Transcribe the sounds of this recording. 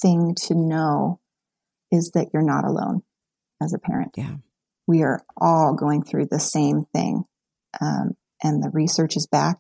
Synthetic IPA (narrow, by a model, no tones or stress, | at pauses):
θɪ̃ŋtʰɨnoʊ | ɪzðɨt͡ʃə˞nə̰ɾə̰lõ̰ʊ̃n | ɨzɨpʰɛ̰ɹɨ̰̃nt̚ | wiə˞ʔɔlˠɡoʊɪ̃ŋθɹʉðɨsẽɪ̃mθɪ̰̃ŋ | ʔʌ̰̃m | ʔɨ̃nðɨɹisɜ˞t͡ʃɨzbæk̚